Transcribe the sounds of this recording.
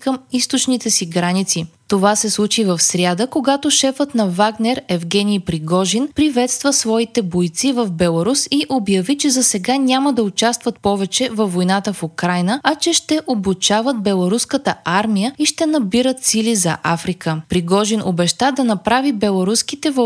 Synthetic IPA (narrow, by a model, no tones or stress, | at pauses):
kəmist̪ot͡ʃnit̪ɛsiɡɾanit̪sit̪ovasɛslˠut͡ʃivɐfsɾʲjad̪əkoɡat̪oʃɛfət̪nɐvaɡnɛɾɛvɡɛniːpɾiɡɔʒinpɾivɛt̪st̪vəsvɔit̪ɛbojt̪sivəvbɛlˠɐɾusiʔobjɐvit͡ʃɛzɐsɛɡanʲaməd̪ɐʊt͡ʃast̪vɐt̪̚pɔvɛt͡ʃɛvɐvːojnat̪əfʊkɾajnəɐt͡ʃɛʃt̪ɛʔobut͡ʃavət̪̚bɛlˠɐɾuskət̪əaɾmijəiʃt̪ɛnɐbiɾət̪silizɐ̰ʔafɾikʰəpɾiɡɔʒinʔo̰bɛʃt̪ad̪ɐnɐpɾavibɛlˠɐɾusk̟it̪ɛv